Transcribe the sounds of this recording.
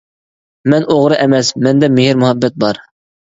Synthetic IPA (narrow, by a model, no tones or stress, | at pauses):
mɛnʔoʁɾɨʔɛmɛsmɛnd̪ɛmɪhɪɾmʊɦɛbːɛt̪̚bɑɾ